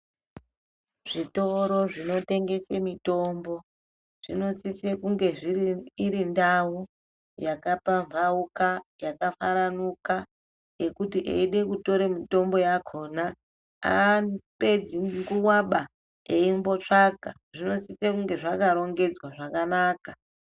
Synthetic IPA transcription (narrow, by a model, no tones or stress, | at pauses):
ʐ̥ito̞ɾo̞ʐino̞te̞ŋɡe̞semito̞mbo̞ | ʐ̥ino̞sisekuŋɡe̞ʐiiiɾindawu | jakapaɱvaukajakafaɾanuka | ekutiʔḛiɗe̞kuto̞ɾemito̞mbo̞jakʰona | a̰pe̞d͡ziŋɡuwaɓa | eimbo̞t͡ʂaka | ʐino̞sisekuŋɡe̞ʐakaɾo̞ŋɡe̞d͡zwaʐakanaːka